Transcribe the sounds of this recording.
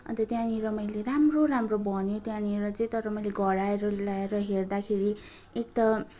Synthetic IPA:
ʌ̰nt̪ʌt̪jãniɾʌmʌjleɾamroɾamrobʌnet̪jãniɾʌt͡sʌĩt̪ʌɾʌmʌjleɡʌɽaeɾʌlaeɾʌɦerd̪akʰeɾi | ek̚t̪ʌ

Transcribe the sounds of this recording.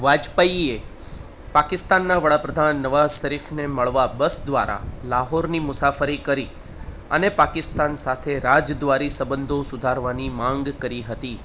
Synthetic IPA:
ʋad͡ʒpaie | pakɪst̪anːaʋəɽapɾəd̪ʱanːəʋazʃəɾifneməɭʋabəsd̪ʋa̰ɾa̰laɦoɾnimʊsafəɾikəɾi | ənepakɪst̪ansat̪ʰeɾad͡ʒd̪ʋaɾisəbənd̪ʱosʊd̪ʱaɾʋanimãŋɡkəɾiɦət̪i

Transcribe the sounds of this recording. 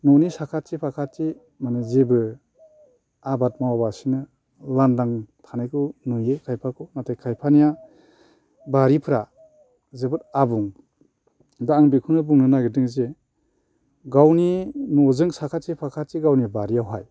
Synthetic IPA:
nɔnisakʰatt͡ʃipʰakʰat̚ːi | manɯzebɯ | abat̚mawabasinɯ | landaŋtʰanajkʰɯnujekʰajpʰakʰɔnatajkʰajpʰanija | baɾipʰɯɾa | zebɯtabuŋ | daːŋbikʰunɯbuŋnɯnaɡedɯŋze | ɡawninɔzɯŋsakʰatt͡ʃipʰakʰat̚tiɡawnijbaɾijawɦaj

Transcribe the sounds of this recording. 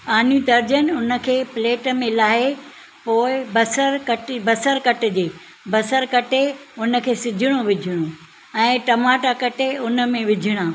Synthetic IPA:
aːn̤jũd̪ɐɾd͡ʑənʊnə̆kʰeːpleːʈmẽlaːɦe | poːɪbɐsəɾkɐʈbɐsəɾkɐʈɪ̆d͡ʑeː | bɐsəɾkɐʈeʊnə̆kʰeːsɪd͡ʑʱɪɽ̃oʋɪd͡ʑʱɪɽ̃o | ɛ̃ːʈɐmaːʈakɐʈeʊnə̆mẽʋɪd͡ʑʱɪɽ̃aː

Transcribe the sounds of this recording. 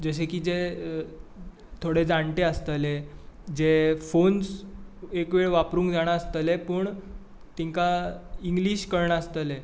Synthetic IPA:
d͡zəɕ̬ekiːd͡ze | t̪ʰoɽed͡zaɳʈeəst̪əled͡zefonsekʋeɭʋapɾũːŋkd͡zaɽ̃aəst̪əlepəːɳ | t̪iŋkaiŋɡliːɕkəɾɳaəst̪əle

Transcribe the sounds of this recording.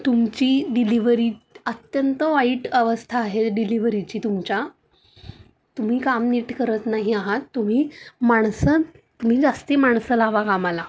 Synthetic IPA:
t̪umt͡ɕiːɖiliʋɾiət̪jənt̪əʋaiʈəʋəst̪ʰaːɦeɖiliʋɾit͡ɕiːt̪umt͡ɕa | t̪um̤iːkamniʈkəɾət̪naɦiaɦat̪ːum̤iːmaɳ̃sə | t̪um̤iːd͡zast̪imaɳsəlaʋakamala

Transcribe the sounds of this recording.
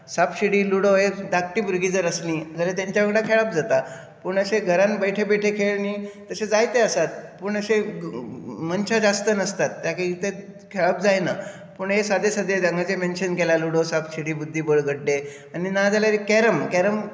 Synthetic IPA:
sapɕiɽiːluɽoɦed̪ak̚ʈiːbuɾɡid͡zəɾəsnid͡zʱalat̪jaɲt͡ɕjaʋɽakʰeɭap̚d͡zat̪a | pəɳəɕeɡʱəɾãnbəjʈʰebeʈʰekʰeɭnit̪əsed͡zajt̪eəsat̪̚pəɳəse | mənt͡ɕad͡zast̪ənəst̪at̪ːjakeit̪e | kʰeɭap̚d͡zajna | pəɳɦesad̪esəd̪ʱːed͡zaŋɡat͡semenɕənkelaluɽosapɕiɽiːbud̪ʱːiːbəɭɡʱəɽɖe | aninad͡zaljaɾikɛɾəmkɛɾəm

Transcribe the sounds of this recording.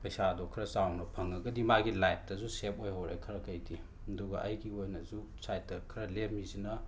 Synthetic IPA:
pɐjsadokʰɾɐsawnɐpʰɐŋɐɡɐdimaɡilajp̚ʰtɐzusep̚ojɦowɾekʰɐɾɐkʰɐjdi | ɐduɡɐʔɐjɡiojnɐzu | sajtɐkʰɾɐlep̚ʰmizinɐ

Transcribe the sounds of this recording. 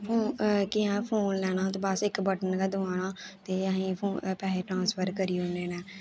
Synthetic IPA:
pʰoːkiɛ̃ːpʰoːnlɛːñãːt̪eːbəsɪkbəʈənkɛːd̪ʊʋaːñãːt̪eːəɦĩːpʰoːpɛːleːʈɾãːnspʰəɾkəɾiːɦoneːnɛː

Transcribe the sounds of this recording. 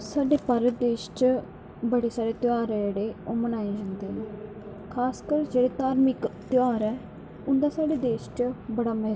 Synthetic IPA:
saːɖeːpəɾd̪eːʃt͡ʃ | bəɽeːsaːɾeːt̪ɪaːɾɛd͡ʒeːɽeːoːmənaːed͡ʒand̪eːɦɛ̃ː | kʰaːskəɾd͡ʒeːɽeːt̪aːɾmɪkt̪ɪaːɾɛː | ʊnd̪aːsaːɖeːd̪eːʃt͡ʃbəɽaːmɛ

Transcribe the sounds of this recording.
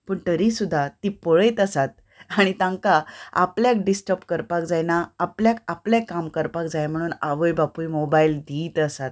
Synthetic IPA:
pəːɳt̪əɾisud̪ʱːat̪ipɔɭəjt̪əsat̪̚ | aɽ̃it̪ãŋkaa̰pljak̚ɖisʈəpkəɾpakd͡zajnaapljakapljakamkəɾpakd͡zajm̤əɽ̃uːnaʋəjbapujmobaild̪iːt̪əsat̪̚

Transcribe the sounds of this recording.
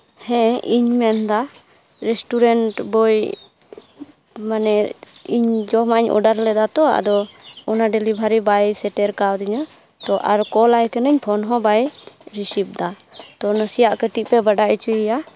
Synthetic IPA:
hɛ̃iɲmɛnd̪a | ɾɛsʈuɾɛɳʈbɔj | manɛiɲd͡ʒɔmaɲɔ̰ɖaɾlɛd̪at̪ɔa̰d̪ɔɔnaɖɛlibʱaɾibajsɛʈɛɾkawd̪iɲɔ | t̪ɔʔaɾkɔlajkɛnəɲpʰɔnɦɔ̃bajɾisip̚d̪at̪ɔnəsijaʔkəʈiʔpɛbaɖaʔit͡ʃuija

